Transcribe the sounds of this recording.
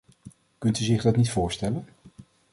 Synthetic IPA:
kɵntyzɪχdɑtnitfʊːɹstɛlən

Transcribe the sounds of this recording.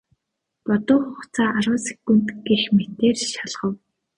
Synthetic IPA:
pɔt̪ʊːχʊχt͡sʰaːaɾʊːse̥kun̥t̪ɡixmet̪eːrʃaɮʁə̆w

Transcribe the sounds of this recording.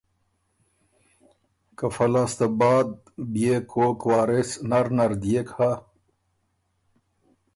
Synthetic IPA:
kɐfɐlast̪abaːd̪̚ | bijekokwaːɾesnɐɾnɐɾd̪ijeka

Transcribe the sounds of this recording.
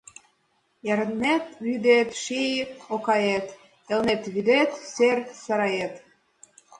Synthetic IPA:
jɑɾənːet̪βyd̪et̪ʃijokɑjet̪ | elnet̪βyd̪et̪sersɑɾɑjet̪

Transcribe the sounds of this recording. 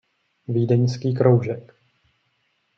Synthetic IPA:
viːdɛɲskiːkɾowʒɛk

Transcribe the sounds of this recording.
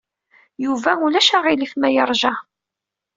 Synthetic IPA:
juvæulæʃaʁiliθmæjəɾˤʒɑ

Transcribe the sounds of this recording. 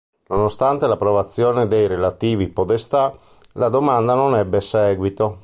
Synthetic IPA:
nonost̪ant̪elapːɾovat̪sːjoːned̪ejɾelat̪iːvipod̪est̪a | lad̪omand̪anonɛbːesɛːɡwit̪o

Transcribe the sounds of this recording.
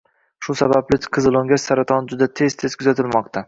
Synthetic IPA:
ʃʊsabablɪqʰɨzɨlˠoŋɡʲasaɾat̪ʰɒnd͡ʒʊd̪at̪ʰe̞z̥t̪ʰe̞z̥kʰʊzat̪ʰɪlmɒqt̪ʰa

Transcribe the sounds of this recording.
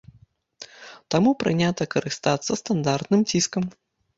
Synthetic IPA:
t̪amupɾɨnʲat̪ɐkɐɾɨst̪at̪sːɐst̪and̪art̪nɨmt͡sʲiskɐm

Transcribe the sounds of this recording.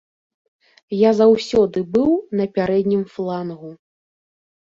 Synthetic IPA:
jazawsʲɔd̪ɨbɨwnɐpʲaɾɛd̪ʲnʲimflˠanɣu

